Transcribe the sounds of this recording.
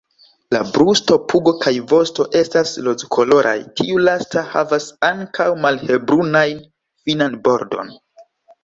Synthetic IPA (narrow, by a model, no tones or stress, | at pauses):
labɾusto̞pʰuɡo̞kʰajvo̞sto̞ʔe̞staslozkʰo̞lo̞ɾʔa̰jtʰiulastaha̰vasaŋkawmalhe̞bɾunajn | finanbo̞ɾdo̞̰n